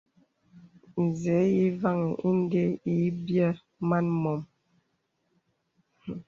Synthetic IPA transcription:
n̩˨ze˨˦i˦va˦˨ŋi˨ʔi˦n˦de˦i˨˦bjə˦ | ma˦nmɔ˨m

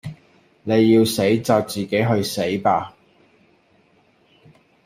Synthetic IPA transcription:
ne˨˧jːiː˧wse˨˥jt͡saː˨˧w̚t͡siː˨ke˨˥jɦɵ˧ɥse˨˥jpaː˧

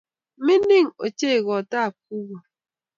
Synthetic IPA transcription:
mi˦ni˦ŋo̰˨t͡ʃe˦˨ɣɔ˨ta˦˨k̚u˦wo˨

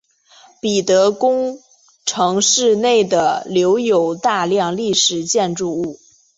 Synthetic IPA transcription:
pi˨˩t̪ɤ˧˥kʊ˥ŋ | ʈ͡ʂʰɤ˧˥ŋʂɻ̩˥˧ne˥˩ɪd̪ə˩ljo˧˥ʊjo˨˩ʊt̪a˥˧ljɑ˥˧ŋli˥˩ʂɻ̩˨˩t͡ɕjɛ˥˧nʈ͡ʂu˥˧u˥˩

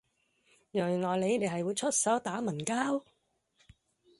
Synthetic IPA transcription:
jœː˨˩˨nlɔː˨˩jle˨˧jne˨˧jɦɐ˨jwuː˨˧jt͡ʃʰɵ˥t̚sɐ˨˥wt̪aː˨˥mɐ˨˩nkaː˥w

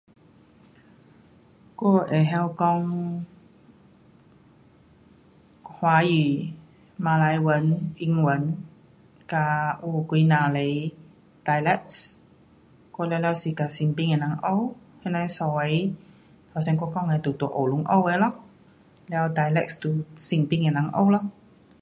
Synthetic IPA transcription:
ko˧ʔɛ˨ɦɛ˧wkɔ˧ŋ | hwa˧˦ji˨ | ma˧la˧jwə˨˦nʔi˧ŋwə˨˦n | ka˧ʔu˧kwi˧na˨lə˨j | da˧jlɛ˧˦k̚s | ko˧lɛ˧wlɛ˧wsi˨˩ka˧˩si˧˨ŋpi˧ŋɛ˨˩nã˨˦ŋʔə˧whɛ˧˥na˧˦sɔ˨˧˩ | ha˨˩sɛ˧nkɔ˧kɔ˧ŋɛ˨˩t̪u˨˩t̪u˧˨˦ʔo˨˩lu˨˧˦ŋʔə̰˧we˧˦lɔ˧˦ŋ | lɛ˧wda˧jlɛ̰˧k̚st̪u˨˩si˧˩ŋpi˧ŋɛ˨nã˨˦ŋʔə̰˧wlɔ˧˨ŋ

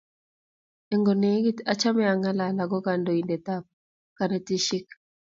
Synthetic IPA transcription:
e˨ŋɡo˨ne˨˦ɡi˦ta˦t͡ʃa˦mɛ˦a˨ŋa˦la˨la˨ɡɔ˦ka˨ndo˨i˨nde˨ta˦p̚ | ka˨ne˨ti˦ʃi˦k

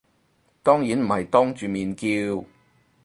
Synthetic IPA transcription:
t̪ɔː˥ŋjiː˨˥nm̩˨˩hɐ˨jt̪ɔː˥ŋt͡ʃyː˨miː˨nkiː˧w

